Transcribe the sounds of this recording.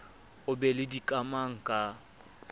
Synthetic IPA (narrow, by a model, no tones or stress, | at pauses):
ʊbɛlɪdikʼamaŋ̩kʼa